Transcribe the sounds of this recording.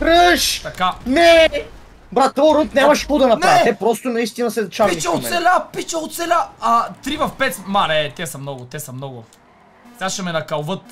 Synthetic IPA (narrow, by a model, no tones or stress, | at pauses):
ɾəʃt̪ɐkanɛ | bɾat̪oɾont̪nʲamɐʃpud̪ɐnɐpnaɛt̪ɛpɾɔst̪ʊnɐist̪inɐsɛd̪t͡ʃait͡ʃɛossɛlʲapit͡ʃɛot̪sɛlʲaɐt̪ɾivɐfpɛt̪manɛt̪ɛsɐmnɔɡʊt̪ɛsɐmnɔɡʊ | saʃɐmɛnɐkɐlˠvɤt̪̚